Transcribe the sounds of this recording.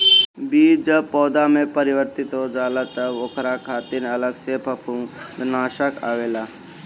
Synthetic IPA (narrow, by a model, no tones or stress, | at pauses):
biːd͡ʒəbpɔːd̪amẽpəɾɪʋəɾt̪ɪt̪ɦod͡ʒaːlət̪əoːkʰɾakʰaːt̪inələɡseːpʰəpʰũd̪naːʃəka̰ːʋeːlaː